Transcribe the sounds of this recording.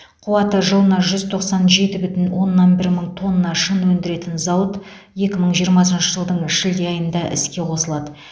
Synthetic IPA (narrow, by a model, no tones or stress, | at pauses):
qʰuwɑt̪əʒəlˠənɑʒʏzt̪ʰo̞qsɑnʒe̞t̪ɪbʏt̪ɪnwo̞nːɑnbɪɾməɴt̪ʰo̞nːɑʃənwɵnd̪ɪɾe̞t̪ɪnzɑwət̪ | je̞kʲɪməɴʒijəɾmɑs̬ənʃəʒəlˠd̪əɴɪʃɪld̪eɑjənd̪ɑʔɪ̰skʲe̞qʰo̞səlˠɑd̪ə